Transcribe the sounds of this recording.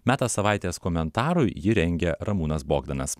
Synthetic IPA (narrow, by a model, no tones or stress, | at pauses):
mʲæːt̪ɐsɐʋɑˑɪt̪ʲeːskɔmʲɛnt̪ɑːɾʊɪjɪɾʲɛŋʲɡʲɛɾɐmuːnɐsboːɡd̪ɐnɐs